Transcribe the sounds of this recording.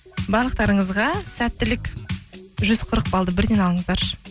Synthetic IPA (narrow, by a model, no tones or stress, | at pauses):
bɑɾlˠəq̚t̪ɑɾəɴəzʁɑsæt̪ːɪlɪk | ʒʏz̥qʰəɾəq̚bɑlˠd̪əbɪɾd̪e̞nɑlˠəɴəzd̪ɑɾʃ